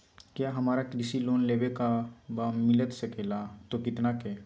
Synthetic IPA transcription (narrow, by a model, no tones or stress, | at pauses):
kjaɦɐmaːɾakɾɪsiloːnleːbekabamɪlət̪səkelat̪okɪt̪nakeː